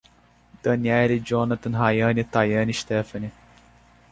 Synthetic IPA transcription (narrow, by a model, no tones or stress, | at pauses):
d̪̥ɐnjaːɾid͡ʒoːnɐt̪ɐnɦaːjaːnit̪aːjɐːniʃt̪eːfɐni